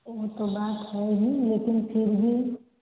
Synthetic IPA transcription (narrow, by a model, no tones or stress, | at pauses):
oɦt̪obaːt̪ɦɛeɡileːkɪnpʰɪɾbʱi